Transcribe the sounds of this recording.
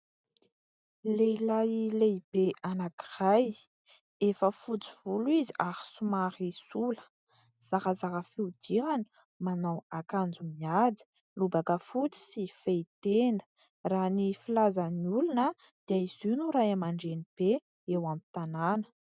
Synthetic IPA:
lejlajileib̥eanaki̥raj | efəfut͡siv̥ulwiziaɾi̥sumaɾisulə̥ | z̥aʁəzaɾəfiud̪̥iɦanə̥ | manawakand͡zumiad͡zi̥ | lubakəfut͡si̥sifeit̪end̪ə̥ | ranifilazaniulunə | d̪̥iaiz̥unuɾajamaɳɖ͡ʐenib̥e | ewamit̪ananə̥

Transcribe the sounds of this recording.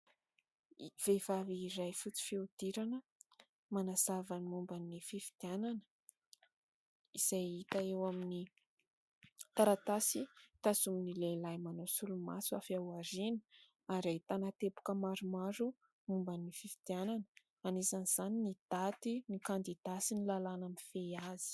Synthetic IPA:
v̥ev̥avirajfut͡si̥fiud̪̥iɾanə | manaz̥avanimumbanifivid̪̥iananə | iz̥ajit̪aewamini | t̪aɾat̪asit̪asuminilelajmanosulumasuafiawaɾini̥ | aɾat̪anat̪epu̥kəmaɾumaɾu | mumbanifivid̪̥iananə̥ | anizaniz̥aninid̪̥at̪inikand̪id̪asinilalanamifeazi̥

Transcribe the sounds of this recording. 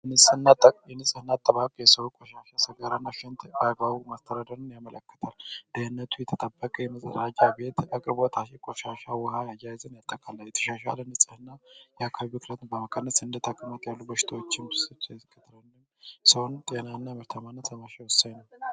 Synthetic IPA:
nɨsʼɨnːajɛnɨsʼɨhɨnːat̪ʼːəβakʼjɛsəwkʼoʃaʃasəɡaɾanːaʃɛnt̪ʰbaɡbaβimast̪ʰəɾad̪əɾɨnjamələkːə̥t̪ʰald̪̥əhɨnːət̪ʰujɛt̪ʰət̪ʼəbːəkʼəjɛməzʼəɾad͡ʒʼabe̞t̪akʼɨɾbo̞t̪ʰaɛkʷʼoʃaʃawɔhajajajzənjat̪ʼːəkʼalːəjɛt̪ʰə̥ʃaʃa̰lənɨsʼɨhɨnːajɛakʰːaβaβikʰɨlət̪ɨnbəməkʰənːəsɨnd̪ət̪ʰakʼːəmat̪jalːubəʃɪ̥t̪ʰawot͡ʃːɪnbsɨt̪kʰət̪ʰɾənd̪ɨn | səwnt̪ʼe̞naɨnːaməɾt̪ʰəmanːat̪ʰəmaʃawʊsːaɲnəw

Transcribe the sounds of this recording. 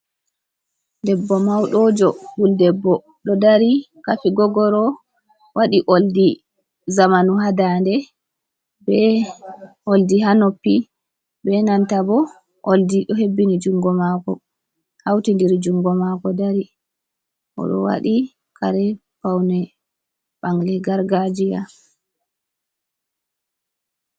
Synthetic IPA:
dɛbːɔmawɗɔd͡ʒɔbuldɛbːɔ | ɗɔdaɾi | kafiɡɔɡɔɾɔ | waɗiʔoldi | zamanuɦadandɛ | bɛ | holdiɦanopːi | bɛnantabɔ | ʔoldiɗɔhebːinid͡ʒuŋɡɔmakɔ̰ | hawtindiɾd͡ʒuŋɡɔmakɔdaɾi | ʔɔ̰ɗɔ̰wa̰ɗi | kʰaɾɛ | pawnɛ | baŋlɛɡaɾɡad͡ʒija̰

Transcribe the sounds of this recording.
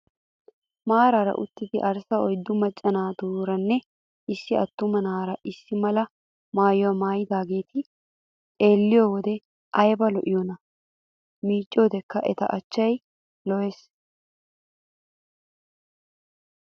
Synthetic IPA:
maːɾaːɾɐ̰ʔʊ̰t̪ːɪd̪ɪʔɐɾsɐɔjd̪ːʊmɐt͡ʃʼːɐnaːd̪uːɾɐnːɛ | ɪsːɪɐ̰t̪ːʊmɐnaːɾɐʔɪsːɪmɐlɐ | maːjɔwamaːjɪd̪aːɡe̞ːt̪ʰɪ | e̞ːlːɪjɔwɔd̪ɛ | ɐjbɐlɔʔɪjɔnɐ | miːt͡ʃʼːoːd̪ɛkːɐʔɛt̪ɐ̰ʔɐt͡ʃːɐj | lɔes

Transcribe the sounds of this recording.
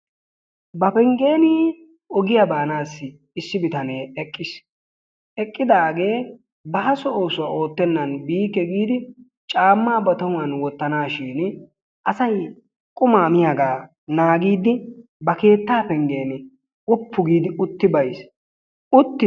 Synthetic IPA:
bɐpɛŋɡe̞ːnɪ | ɔɡɪjabaːnaːsːɪ | ɪsːɪbɪt̪ɐneːɛkʼːɪs | ɛkʼːɪd̪aːɡe̞ː | bɐɐsɔoːsʊwao̞ːt̪ːɛnːɐnbiːkːɛɡiːd̪ɪ | t͡ʃʼaːmːaːbɐt̪ɐhʊwɐnwɔt̪ːɐnaːʃiːn | ʔɐsɐj | kʼʊmaːmɪjaɡaː | naːɡiːd̪ɪbɐke̞ːt̪ːaːpɛŋɡe̞ːnɪ | wɔpʰːʊɡiːd̪ɪʊt̪ːɪbɐjs | ʊt̪ːɪ

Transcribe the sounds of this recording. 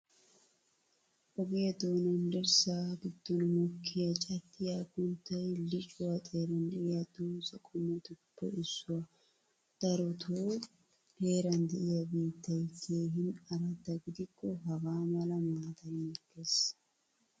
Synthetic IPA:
ʔɔɡejɐd̪oːnɐnd̪ɛɾsaːɡɪd̪̥ːɔnmɔkʰːɪjɐt͡ʃʼɐt̪ʰːɪjakʊnt̪ːɐjlɪt͡ʃʼʊwɐt̪ʼeːɾɐnd̪ɛʔɪjɐd̪uːnsɐkʼʊmɛt̪ʊpːɛ̰ʔɪsːʊwɐ | d̪̥ɐɾɔt̪ʰoː | heːɾɐnd̪ɛʔɪjɐbiːt̪ːɐjkʰeːɦɪnɐɾɐd̪ɐɡɪd̪ɪkʰːɔɦɐɡaːmɐlɐmaːt̪ɐnmɪkːes

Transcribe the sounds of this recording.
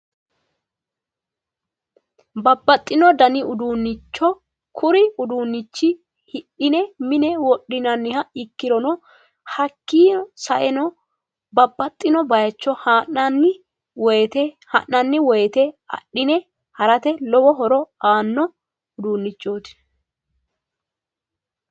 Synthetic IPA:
bɐbːɐt̪ʼːɪnɔd̪ɐnɪʊd̪uːnːɪt͡ʃːɔ | kʰʊɾɪʊd̪uːnːɪt͡ʃːɪ | hɪɗɪnɛmɪnɛwɔɗːɪnɐnːɪhɐɪkːɪɾɔnɔ | hɐkːiːɔsɐʔɛnɔ | bɐbːɐt̪ʼːɪnɔbɐjɐt͡ʃːɔhɐnːɪ | t̪ɛhɐnːɐnːɪwɔjɛt̪ɛɐ̰ɗːɪnɛ | hɐɾɐt̪ɛlɔbɔɦɔɾɔaːnːɔ | ʊd̪uːnːɪt͡ʃːoːt̪ɪ̥

